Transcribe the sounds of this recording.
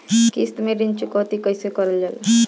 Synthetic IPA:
kist̪meɾint͡ʃukɔt̪ikəjsekɔɾəld͡ʒal

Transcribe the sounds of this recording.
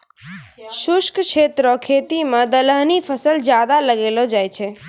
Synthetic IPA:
ʃʊʃkʃet̪ɾokʰet̪imə̃d̪ələɦnifəsəld͡ʒjad̪aləɡelod͡ʒajt͡ʃʰe

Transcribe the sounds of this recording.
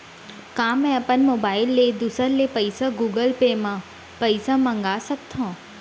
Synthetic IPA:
kãːmɛ̃ɐpənmoːbaːɪlːed̪usəɾlepəɪsaɡuːɡəlpeːmã | pəɪsãmɐ̃ŋɡaːsək̚t̪ʰõː

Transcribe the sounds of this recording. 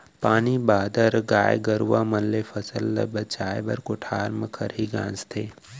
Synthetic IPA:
paːnibaːd̪əɾɡaːjɡɐɾuʋaːmɐllefʰɐsəlːɐ̰bɐt͡ʃaːjbɐɾkʊʈʰaːɾməkʰɐɾɦiɡã̰ːnst̪ʰeː

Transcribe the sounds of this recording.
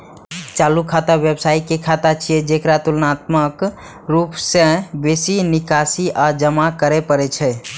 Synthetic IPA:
t͡ʃalukʰat̪abjebsaikekʰat̪at͡ʃʰied͡ʒekɾat̪ulnat̪mək | ɾupsẽbesinikasiʔad͡ʒəmakəɾepəɾɛt͡ʃʰɛ

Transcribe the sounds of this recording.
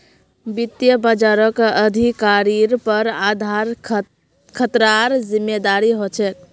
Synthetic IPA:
bit̪jəbəd͡ʒaɾəkəd̪ʱikaɾiɾpəɾad̪ʱaɾ | kʰət̪ɾaɾzimːed̪aɾiɦot͡ʃʰɛt̪

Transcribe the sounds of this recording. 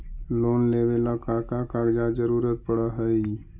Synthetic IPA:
loːnleːʋelakaːkakaːɡd͡ʒad͡ʒəɾuːɾət̪̚pəɽaɦəi

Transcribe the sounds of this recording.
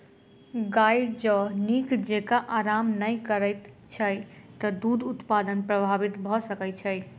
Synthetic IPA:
ɡajd͡ʒənikʰd͡ʒekaʔaɾamnəjkəɾəjt̪ | t͡ʃʰəjt̪əd̪ud̪ut̪pad̪ənpɾəbʱabit̪bʱɔsəkɛt͡ʃʰəj

